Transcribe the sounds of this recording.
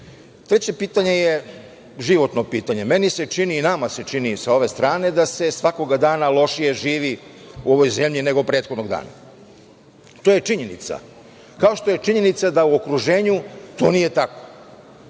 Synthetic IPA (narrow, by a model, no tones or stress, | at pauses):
t̪ɾet͡ɕe̞piːt̪aɲe̞je | ʒiʋo̞t̪no̞piːt̪aɲe̞me̞nise̞t͡ʃiniːnamase̞t͡ʃinisao̞ʋe̞st̪ɾaːne̞d̪ase̞sʋako̞ɡad̪aːnalˠo̞ʃije̞ʒiːʋi | uo̞ʋo̞jze̞mʎine̞ɡo̞pɾet̪xod̪no̞ɡd̪a̰ːna̰ | t̪o̞je̞t͡ʃiɲe̞nḭt̪sa̰ | kaoʃt̪o̞je̞t͡ʃiɲe̞nit̪sad̪auo̞kɾuʒe̞ːɲut̪o̞ːnijet̪ako̥